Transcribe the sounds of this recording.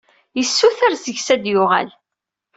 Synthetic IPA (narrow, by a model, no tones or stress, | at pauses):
jəsːuθæɾzəçsæd̪jʊʁæ̰l